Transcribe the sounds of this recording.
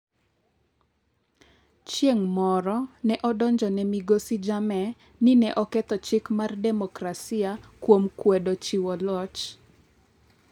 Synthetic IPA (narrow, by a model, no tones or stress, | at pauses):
t͡ʃjeŋmɔɾɔnɛʔɔdɔɲd͡ʒɔnɛmiɡosid͡ʒamɛ | nɪnɛʔɔkɛt̪ɔt͡ʃɪkmardɛmɔkɾasiakwomkwɛdot͡ʃiwɔlɔt͡ʃ